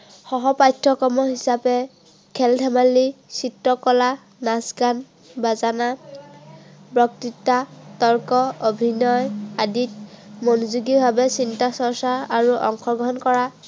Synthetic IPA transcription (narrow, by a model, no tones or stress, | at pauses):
xɔɦɔpajtʰːɔkɔmɔɦisapɛ | kʰɛltʰɛmalːisitːɔkɔla | nasɡan | bazana | bɹɔk̚titːatɔɹkɔobʱinɔjadit̚monuzuɡibʱabɛsintasɔɹsaɹaɹuʔɔ̰ŋkʰɔɡɔɦɔnkɔɹa